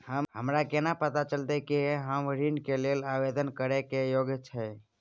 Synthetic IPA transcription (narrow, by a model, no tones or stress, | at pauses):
həɦəmɾakenapət̪at͡ʃəlt̪ekeɦamʋəɾinkelelaʋed̪ənkəɾekejoɡjt͡ʃʰe